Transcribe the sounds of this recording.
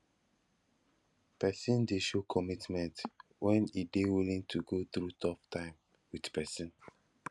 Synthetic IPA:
pɛsĩndeʃokʰɔmitmɛ̃ntwʔɛ̃nidewilĩŋtʰuɡoθɹutʰɔptʰãɪ̃m | widpɛsɔ̃n

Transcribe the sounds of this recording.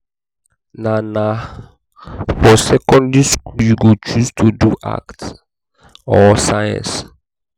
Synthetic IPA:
nana | fɔsɛkɔ̃ndiskuljuɡot͡ʃustʰuduʔa̰kt | ɔsajɛ̰̃ns

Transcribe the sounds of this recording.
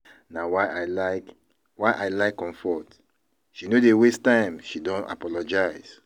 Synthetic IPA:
nawaɪalaɪk | waɪʔaɪlaɪkːɔ̃ɱfɔt | ʃinodewestãɪ̃mʃidɔ̃na̰pɔlɔd͡ʒaɪz̥

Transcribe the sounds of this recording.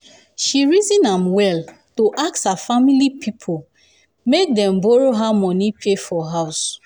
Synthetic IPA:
ʃiɹizĩnãmwɛltoʔakshafamilipʰipʰol | mek̚dɛ̃mbɔɹoɦamɔ̃nipʰefɔɦaʊs

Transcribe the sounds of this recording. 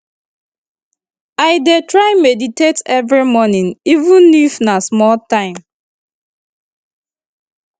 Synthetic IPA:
ajdetɹaɪmeditetɛvɹimɔnĩnivũnːifnasmɔltãɪ̃m

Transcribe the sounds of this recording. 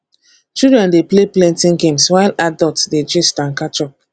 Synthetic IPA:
t͡ʃidɹɛ̃ndepleplɛ̃ntĩŋɡẽmswaɪladɔltsded͡ʒistãnkatɹɔk̚

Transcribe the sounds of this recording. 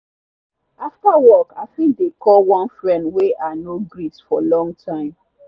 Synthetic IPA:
aftawɔkaɪfĩŋk̚dekɔlwɔ̃nfɹɛ̃ndweʔanoɡɹitsfɔlɔ̃ŋɡtʰãɪ̃m

